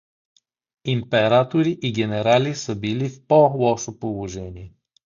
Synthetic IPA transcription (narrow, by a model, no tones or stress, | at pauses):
impɛɾat̪oɾiʔiɡʲɛnɛɾalisəbilifpolˠɔʃopolˠoʒɛniɛ